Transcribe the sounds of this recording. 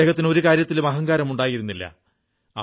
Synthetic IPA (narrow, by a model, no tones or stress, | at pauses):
ɣɐt̪ːino̞ɾukaːɾjɐt̪ːilumɐɦɐŋɡaːɾɐmuɳɖaːjiɾunːilːɐ̰